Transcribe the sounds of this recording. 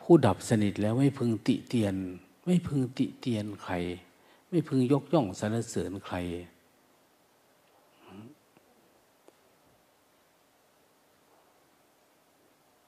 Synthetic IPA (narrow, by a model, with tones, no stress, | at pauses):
pʰuː˧˩da˨˩p̚sa˧ni˨˩t̪̚lɛː˦˥˩wma˦˥˩jpʰɯ˧ŋt̪ḭ˧˨t̪i˧ən | ma˥˨jpʰɯ˧ŋt̪i˧˩ʔt̪i˧ənkʰa˨˩j | ma˥˩˨jpʰɯ˧ŋjo˧˦˥k̚jɔ˧˥˩ŋsa˨˧˦nla˧˥sɤː˨˦nkʰa˨˦j